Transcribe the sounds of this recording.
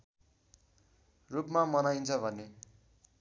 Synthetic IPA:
rupmamʌnajnt͡sʰʌbʱʌne

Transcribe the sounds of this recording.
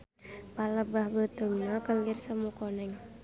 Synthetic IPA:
paləbahbət̪əŋnakəŋɡirsamukɔnɛŋ

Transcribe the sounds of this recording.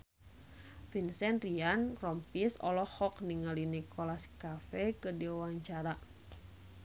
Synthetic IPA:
finsɛnriankrɔmpisɔ̰lɔhɔkniŋalinikɔlaskafɛkədiwaɲt͡ʃaɾa

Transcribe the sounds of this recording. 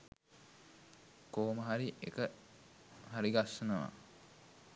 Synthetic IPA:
koːməɦaɾiʔḛkə | ɦaɾiɡasːənəʋa̰

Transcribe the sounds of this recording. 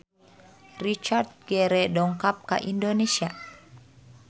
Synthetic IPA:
rit͡ʃart̪̚ɡɛɾɛdɔŋkap̚ka̰ʔindonesia

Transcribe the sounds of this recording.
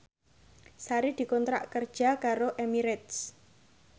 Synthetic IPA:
saɾid̪̥i̤kɔnt̪ɾa̰ʔkərd̥ʒ̥a̤kaɾoʔemiɾɛt̪s

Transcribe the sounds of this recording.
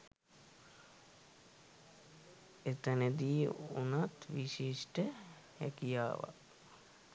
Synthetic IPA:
et̪əned̪iːunat̪ʋiʃiʂʈə | æ̰kija̰ːʋa̰

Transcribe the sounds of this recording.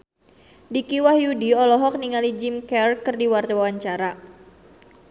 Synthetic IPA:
dikiwahjudiɔlɔɦɔk̚niŋalid͡ʒimkɛrkɨrdiwart̪awawaɲt͡ʃaɾa

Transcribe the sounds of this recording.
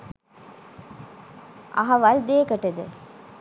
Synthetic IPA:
ʔɐ̰ɦɐʋɐld̪eːkɐʈːɐd̪ɯ̰

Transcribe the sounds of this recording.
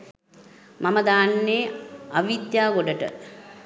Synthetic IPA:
maməd̪aːnːeːaʋid̪jaːɡoɖəʈə̰

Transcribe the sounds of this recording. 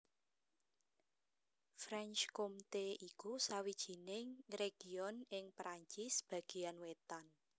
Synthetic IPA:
fɾɛnt͡ʃkomt̪eʔikusawid̥ʒ̥i̤nɪŋreɡ̥iɔnɪŋpɾaɲt͡ʃisb̥ä̤ɡ̥i̤janwet̪an

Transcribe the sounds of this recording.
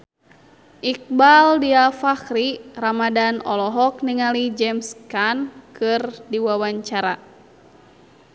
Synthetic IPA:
ʔik̚baldiafakɾiramadanɔ̰lɔɦɔk̚niŋalid͡ʒɛmskankɨrdiwawaɲt͡ʃaɾa

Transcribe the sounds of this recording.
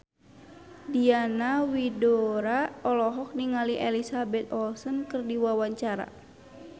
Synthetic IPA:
dianawidɔɾaɔlɔɦɔk̚niŋaliʔɛlisabɛt̪̚ɔlsənkɨrdiwawaɲt͡ʃaɾa̰

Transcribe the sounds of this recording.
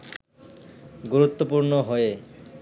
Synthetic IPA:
ɡuɾut̪ːopuɾnoɦɔe

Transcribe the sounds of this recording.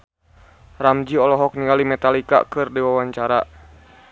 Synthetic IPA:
ramd͡ʒiɔlɔɦɔk̚niŋalimɛt̪alika̰kɨrdiwawaɲt͡ʃaɾa

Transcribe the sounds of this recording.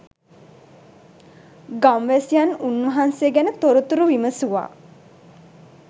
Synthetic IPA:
ɡamʋæsjanunʋəɦansejəɡænət̪oɾut̪uɾuʋiməsuʋa̰ː

